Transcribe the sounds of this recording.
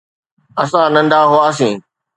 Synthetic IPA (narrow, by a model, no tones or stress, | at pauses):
ɐsãnɐ̃nd̪aːɦʊaːs̬ĩː